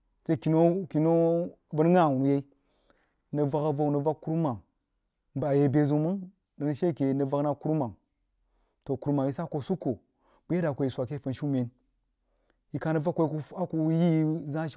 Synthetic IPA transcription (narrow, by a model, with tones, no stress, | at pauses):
se˦ki˨no˦ki˨no˦˨ | bə˦ɾŋa˦˨wu˨n˨je˦i˦ | nə˨va˨ka˨va˦˨nə˨va˦kːu˦ɾma˨ŋ | m˨ba˨je˨be˨zu˨mɨ˦n | də˨nə˨ʃe˦˨ke˨nə˨va˦kna˦ku˦ɾma˨ŋ | to˨ku˨ɾma˨ŋji˦sa˦ko˨su˦kːo˨ | bu˦je˦da˨kʷo˨ji˨sʷa˨ke˦fə˨nʃu˦me˨n | ji˨ka˨nə˨va˦kʷːo˨˦ku˦a˦ku˨ji˦za˦ʃ